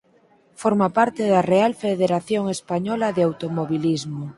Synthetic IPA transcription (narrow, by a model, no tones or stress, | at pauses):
foɾmapaɾt̪eðarealfeðeɾaθjoŋespaɲɔlaðeawt̪omoβilizmo